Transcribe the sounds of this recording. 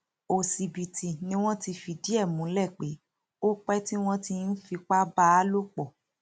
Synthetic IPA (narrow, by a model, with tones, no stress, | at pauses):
o˨si˨bi˨ti˨nĩ˧˦w̃ɔ̃˦ti˧fi˧di˦ɛ˦˨mũ˨˦lɛ˦˨k͡pe˨˦ | o˦k͡pɛ˦ti˦w̃ɔ̃˦ti˧n̩˦fi˧k͡pa˦ba˦lo˦k͡pɔ˨